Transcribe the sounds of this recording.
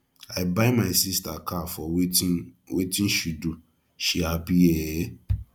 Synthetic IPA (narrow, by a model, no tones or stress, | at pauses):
aɪbaɪmaɪsistakʰafɔ | wetĩnʃudu | ʃiabiɛ